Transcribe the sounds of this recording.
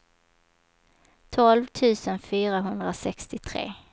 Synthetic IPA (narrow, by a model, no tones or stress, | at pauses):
t̪ʰɔlvt̪ʰʉ̟ːsənfyːɾaɦɵnd̪ɾasɛkst̪ɪt̪ʰɾḛː